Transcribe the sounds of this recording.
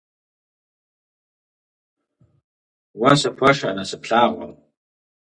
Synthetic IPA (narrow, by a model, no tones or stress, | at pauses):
wasapʷʰaʂaːnasɨpʰɬaːqʷʼa̰m